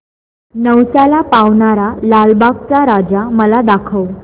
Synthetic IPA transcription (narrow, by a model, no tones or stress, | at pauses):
nəwsalapaʋɳaɾalalbakt͡saɾad͡zaməlad̪akʰəʋ